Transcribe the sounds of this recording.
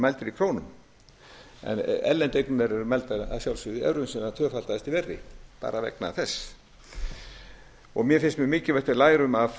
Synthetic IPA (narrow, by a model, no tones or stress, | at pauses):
majlt̪ɪɾikʰɾoːwnʏm | ɛ̰nɛ̰lːɛnt̪ejknʏmɛɾɛɾʏmɛlt̪aa̰ðsjawlsʏðiɛ̰vɾʏmsɛnat̪ʰœːfal̥t̪aðɛst̪ivɛrːɪpa̰ːɾavɛ̰knaːθɛsː | ɔɣmjɛfɪnst̪mɛmɪːcɪvɛht̪vɪðlaːjɾʏmaf